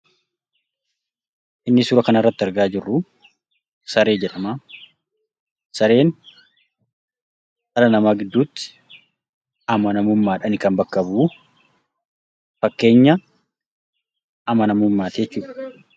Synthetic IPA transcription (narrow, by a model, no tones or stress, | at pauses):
ʔɪnːɪsuːɾɐkɐnɐrːɐt̪ːɪɐɾɡaːd͡ʒɪrːʊ | sɐɾe̞ːd͡ʒɛᶑɐmaː | sɐɾe̞ːn | sʼɐlɐnɐmaːɡɪd̪ːuːt̪ːɪ̥ | ɐmɐnɐmʊmːaːᶑɐnɪkɐmbɐkːɐbuː | fɐkːe̞ːɲːɐ | ɐmɐnɐmʊmːaːt̪d͡ʒɛt͡ʃːuːᶑɐ̥